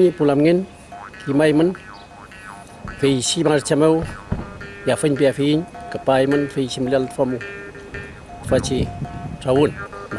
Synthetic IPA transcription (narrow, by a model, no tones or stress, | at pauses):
ɲipulamŋen | kʰimajmən | fejsimaart͡ʃamew | jafəɲpijafeiɲkəpajmənfejsiməlialt̪ə̥famu | tfat͡ʃiʈ͡ʂawunm